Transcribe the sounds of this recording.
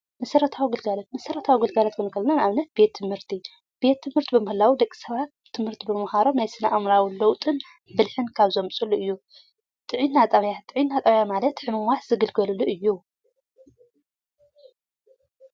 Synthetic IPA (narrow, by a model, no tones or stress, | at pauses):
mɐsɐɾɐt̪ʰawiɡɨlɡalɐt̪mɐsɐɾɐt̪ʰawiɡɨlɡalat̪kʰɨnɨkʰɐlnanaβnɐt̪̚be̞t̪ʰːɨmhɨɾt̪ʰi | b̥e̞t̪ʰːɨmhɨɾt̪ʰibɨmɨhɨlawid̪ɐkʼːi̥sɐβat̪ʰːɨmhɨɾt̪ʰibɨmɨhaɾo̞mnajsɨnaʔamɾawilowt̪ʼɨn | bɨlħɨnkʰaβzɐmsʼuluʔɨjːu | t̪ʼɨʕinːat̪ʼɐβjat̪ʼɨʕinːat̪ʼɐβjamalɐt̪ħɨmɨmwaħzɨɡɨlɡɐluluʔɨjːu